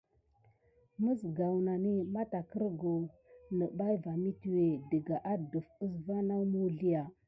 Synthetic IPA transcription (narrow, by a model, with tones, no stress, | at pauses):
mə˦sɡa˨wna˨ni˦ma˦ta˨kə˦ɾɡo˨nə˨ba˦jva˨mi˦ti˦we˨də˨ɡa˨ʔa˦˨du˨fə˦s̬va˦na˦wmu˦ɮi˦ja˨